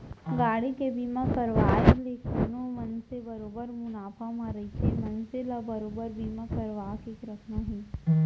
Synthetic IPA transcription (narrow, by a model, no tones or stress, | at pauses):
ɡaːɽikebiːmãpəɾʋaːeleːkʰənõmɐnsebɐɾoːbəɾmʊnaːpʰamãɾəit͡ʃʰemɐnselɐbɐɾoːbəɾbʱiːmãkəɾʋaːkekɾəkʰnãɦĩː